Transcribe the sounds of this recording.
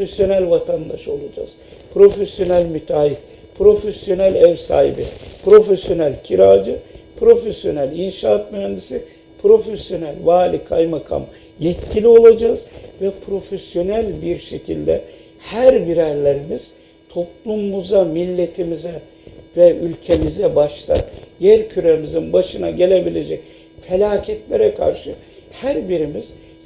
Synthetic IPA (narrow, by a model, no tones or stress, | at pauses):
fesjo̞nælʲvat̪ʰand̪aʃo̞lˠad͡ʒa̰ːz̥pɾo̞fesjo̞nælʲmyt̪ʰaːjif | pʰɾo̞fesjo̞nælʲɛvsa̰ːɦḭbipɾo̞fesjo̞nælʲcʰiɾaːd͡ʒɯpɾo̞fesjo̞̰nælʲinʃaːt̪myɦænd̪isi | pɾo̞fesjo̞nælʲvaːlʲikʰajmakʰa̰m | jɛt̪cʰilʲio̞lˠad͡ʒaːz̥vɛpʰɾo̞fesjo̞nælʲbiɾʃecʰḭlʲd̪ɛ̰ | hæɾbiɾæɾlʲeɾimiz̥ | t̪ʰo̞plˠumːuzamilʲːe̞t̪ʰimizɛ | vɛylʲcʰe̞mizɛbaʃt̪a̰njæɾcʰyɾemizinbaʃɯnaɟe̞lʲe̞bilʲe̞d͡ʒɛc | fe̞lʲaːcʰɛt̪lʲeɾɛkʰa̰ɾʃɯ | hæɾbiɾimiz̥